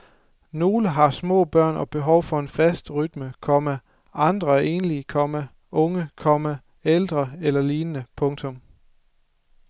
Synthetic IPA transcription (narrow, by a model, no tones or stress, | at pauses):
no̝ːləɦɑ̈smɔ̰̽ːb̥ɶɐ̰nʔɒ̽b̥e̝ɦɒʊfɒ̽e̝nfæsd̥ʁyd̥məkʰɒ̽mə | ʔɑ̈nd̥ʁɐæɐʔe̝̰ːnəlikʰɒ̽mə | ʔɔ̽ŋəkʰɒ̽mə | eld̥ʁɐelɐliːnənəpʰɔ̽ŋt͡sʰɔ̽m